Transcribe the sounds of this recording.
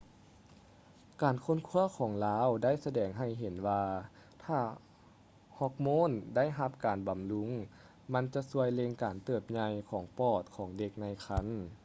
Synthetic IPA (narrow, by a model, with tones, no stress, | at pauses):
kaː˨˩nkʰo˧˥˨nkʰu˧˥˨ɐkʰɔː˩˦ŋlaː˦˧˥wda˥˩˨jsa˧dɛː˨˩ŋɦa˧˩jɦe˨˩˦nwaː˧ | t̪ʰaː˧˩ | hɔ˧k̚moː˧˥˨nda˥˨jɦa˧p̚kaː˨˩nba˨˩mlu˧˥ŋ | ma˧˥nt͡ɕa˧su˧əjle˧ŋkaː˨˩nt̪ɤː˧˩p̚ɲa˧jkʰɔː˩˦ŋpɔː˧˩t̪̚kʰɔː˩˦ŋde˧k̚na˧jkʰa˧˥˨n